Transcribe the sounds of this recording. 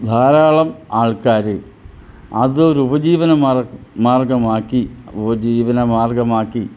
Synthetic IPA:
d̪ʱaːɾaːɭɐmaːɭkaːɾɨ | ɐ̰ðɨoɾubɐd͡ʑiːʋɐnɐmmaːrɡɐmaːkːiubɐd͡ʑiːʋɐnɐmaːrɡɐmaːkːi

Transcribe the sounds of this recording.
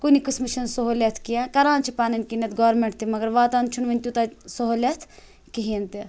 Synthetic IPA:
kunikɨsmit͡ʃʰɐnsoɦolʲet̪ʰkijãkɐɾãːnt͡ʃʰipaːnɐnkinet̪ʰɡɔːɾmeɳʈ̚t̪imɐɡɐɾʋaːt̪aːnt͡ʃʰunʋɐnʲt̪ut̪asoɦolʲet̪ʰ | kiɦint̪i

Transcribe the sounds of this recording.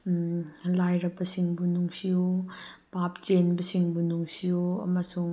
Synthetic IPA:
lajɾɐbɐsiŋbunuŋsijopapt͡ʃenbɐsiŋbunuŋsijoɐ̰mɐsuŋ

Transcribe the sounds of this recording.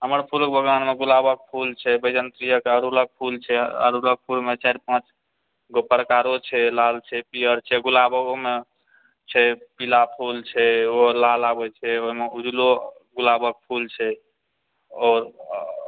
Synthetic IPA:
ɦəməɾpʰulkebʱəɡwanmeɡulabək̚pʰult͡ʃʰɛbəjd͡ʒənt̪ɾijəkeɦəɾulək̚pʰult͡ʃʰɛə̰ɾulək̚pʰulmet͡ʃaɾpãt͡ʃ | ɡopːəɾkaɾot͡ʃʰɛlalt͡ʃʰɛpiəɾt͡ʃʰɛɡulabəɡome | t͡ʃʰɛpilapʰult͡ʃʰɛoɦlalabɛt͡ʃʰɛoɦimeud͡ʒlo | ɡulabək̚pʰult͡ʃʰɛ | ɔːɾ

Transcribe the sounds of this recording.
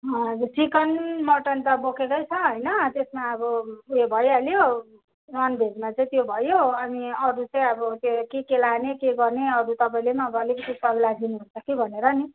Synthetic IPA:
sikʌnmʌʈʌnt̪ʌbokʰekʌjt͡sʰʌɦʌjnʌt̪esmaʌbʌjebʱʌjaljo | nʌnbʱed͡zmat͡sʌĩt̪jobʱʌjoʌmiʌɾut͡sʌĩʌbʌt̪okekelanekeɡʌrneʌɾut̪ʌpaĩlemaʌbʌlekitusʌɾulad̪inuɦunt͡sʰʌkebʱʌneɾʌni

